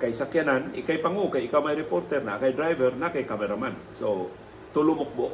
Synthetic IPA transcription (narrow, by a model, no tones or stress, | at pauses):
kajsakjananɪkajpaŋokajɪkawmajɾɛpoɾt̪ɛɾnakajd̪ɾajvɛɾnakajkamɛɾamansow | t̪ʊlʊmʊk̚boʔ